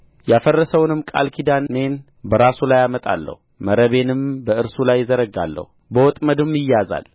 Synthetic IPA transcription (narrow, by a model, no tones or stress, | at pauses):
jafərːəsəwnɨmkʼa̰lkʰid̪anːe̞n | bəɾasulajamət̪ʼa̰lːə̰huməɾəβe̞nɨmbəɨɾsulajːɪzəɾəɡa̰lːə̰hu | bəwɔt̪ʼməd̪ɨmɪjaza̰l